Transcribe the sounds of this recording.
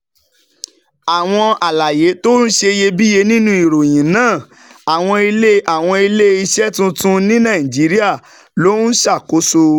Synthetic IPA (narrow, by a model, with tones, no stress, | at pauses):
a˨w̃ɔ̃˧a˨la˨je˨˦to˦n̩˦ʃe˧je˧bi˦je˧nĩ˦nũ˧˦i˨ɾo˨j̃ĩ˨nãː˦˨ | a˨w̃ɔ̃˧i˧le˦a˦˨w̃ɔ̃˧i˧le˦i˧ʃɛ˦tũ˦tũ˦nĩ˦nã˦˨ĩ˨d͡ʒi˨˦ɾi˦a˦˨ | lo˨˦ʃa˦˨ko˨˦so˧